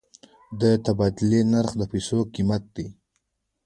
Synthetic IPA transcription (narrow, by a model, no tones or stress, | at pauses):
d̪ət̪abɑd̪ɪlenaɾxd̪əpajsokimat̪̚d̪i